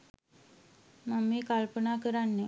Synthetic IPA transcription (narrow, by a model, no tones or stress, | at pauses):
mamːeːkalpənaːkəɾanːə